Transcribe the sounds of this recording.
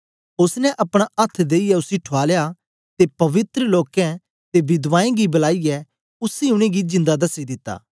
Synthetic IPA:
ʊsnɛ̃ʔɐpɽ̃aɐt̪ʰːd̪eːiɛʊsiʈʰaːlja | t̪epɐʋɪt̪ɾəloːkɛ̃ | t̪ebɪd̪ʋaːẽɡibɐlaːijɛ | ʊsiʊɽ̃ẽɡid͡ʒɪ̃nd̪ad̪ɐsid̪ɪt̪ːa̰ː

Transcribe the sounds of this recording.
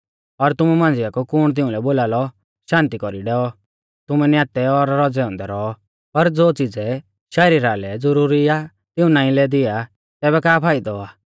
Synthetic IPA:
ɔɾt̪ʊmumãnd͡zɪjakukʊɽ̃t̪̬ɪ̃ũlɛboːlaːlɔ | ʃãːnt̪ikɔɾiɖɛɔ | t̪ʊmɛnjaːt̪ɛɔɾːɔd͡zɛɔ̃ːnd̪ɛɾɔː | pɐɾd͡zoːt͡sid͡zɛ | ʃɛɾiɾalɛd͡zʊɾuɾia | t̪ɪũnaːĩlɛd̪ɪa | t̪ɛːbɛkaːpʰaːid̪ɔaː

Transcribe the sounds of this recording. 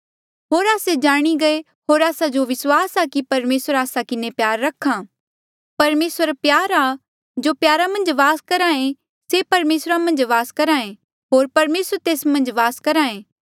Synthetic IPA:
ɦoːɾaːsed͡ʒaːɽ̃iɡɐe | ɦoːɾaːsad͡ʒoʋɪswaːsakipɐɾmeːsəɾaːsakɪnepjaːɾːɐkʰːã | pɐɾmeːsəɾpjaːɾa | d͡ʒoːpjaːɾamɐ̃nd͡ʒʋaːskɐɾaːẽ | sepɐɾmeːsɾamɐ̃nd͡ʒʋaːskɐɾaːẽ | ɦoːɾpɐɾmeːsəɾt̪eːsmɐ̃nd͡ʒʋaːskɐɾaːẽː

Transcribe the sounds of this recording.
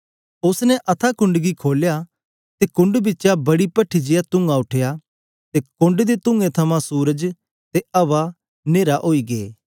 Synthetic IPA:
ʊsnɛʔɐt̪ʰakʊ̃ɳɖɡikʰoːlja | t̪ekʊ̃ɳɖbɪt͡ʃabɐɽipɐʈʰːid͡ʒɪjat̪ʊ̃ŋɡaʊʈʰeja | t̪ekʊ̃ɳɖd̪et̪ʊ̃ŋɡẽt̪ʰɐmãsuːɾəd͡ʒ | t̪eɐʋa | neːɾaʔoːiɡeː

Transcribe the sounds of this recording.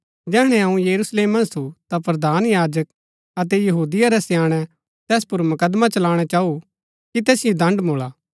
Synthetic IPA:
d͡ʒɛːɦɽ̃ɛɐũjɐɾusleːmɐ̃nt̪ʰut̪apɾɐd̪aːnjaːd͡ʒək | ɐt̪ɛjɐɦuːd̪ɪjaɾɛsjaːɽ̃ɛ | t̪ɛːspʊɾmɐkəd̪mat͡ʃɐlaːɽ̃at͡ʃaːu | kit̪ɛːsɪjod̪ɐ̃ɳɖmoːlaː

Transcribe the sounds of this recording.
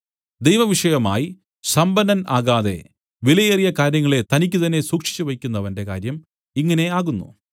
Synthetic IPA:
d̪ejʋɐʋiʂɐjɐma̰ːji | sɐmbɐnɐnaːɣaːðe̞̰ | ʋilɐjerijɐkaːɾjɐŋːɐɭe̞t̪ɐnik̬ʲːut̪ɐnːe̞suːkʂi̥t͡ɕːuʋɐkʲːunːɐʋɐnde̞kaːɾjɐm | iŋːɐne̞aːɣunːṵ

